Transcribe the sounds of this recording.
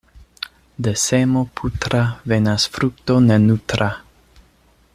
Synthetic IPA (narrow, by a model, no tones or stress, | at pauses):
d̪ɛsɛmopʰut̪ɾavenasfɾuk̚t̪onɛnut̪ɾa